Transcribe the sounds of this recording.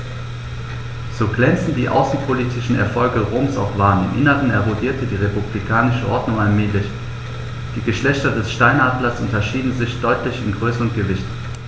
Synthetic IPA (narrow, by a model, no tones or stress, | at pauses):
z̥oːɡlɛnt͡sn̩dḭːʔa̰ʊsn̩pʰoliːtʰɪʃn̩ɛ̰ɐfɔlɡəʁoːmsa̰ʊfv̥aːənɪmʔɪnəʁənɛɐʁodiːɐtədiːʁepublikʰaːnɪʃəʔɔɐdnʊŋalmeːlɪç | d̥iːɡəʃlɛçtɐdɛsʃtaɪnaːdlɐsʔʊntɐʃiːdn̩zɪçd̥ɔʏtlɪçɪnɡʁøːsəʊntɡ̥əvɪçt